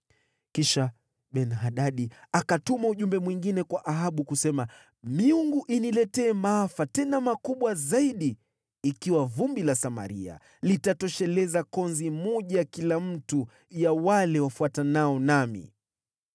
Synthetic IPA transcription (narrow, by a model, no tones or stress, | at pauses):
kiʃa | ɓɛnɦaɗaɗiakatumauʄumbɛmwiŋɡinɛkwaʔaɦaɓukusɛma | miuŋɡuʔinilɛtɛːmaafatɛnamakuɓwazaiɗiː | kiwavumbilasama̰ɾḭa̰ | litatɔʃɛlɛzakɔnzimɔʄaakilam̩tu | jawalɛwafuatanaɔnamḭ